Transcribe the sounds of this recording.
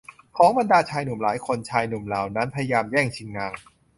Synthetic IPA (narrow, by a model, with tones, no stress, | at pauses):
kʰɔː˨˦ŋba˧ndaː˧t͡ɕʰaː˧jnu˨˩˦mlaː˩˦jkʰo˧nt͡ɕʰaː˧jnu˨˩˦mlaː˨˩wna˦˥npʰa˧ja˧jaː˧mjɛː˥˩ŋt͡ɕʰi˧ŋːaː˧ŋ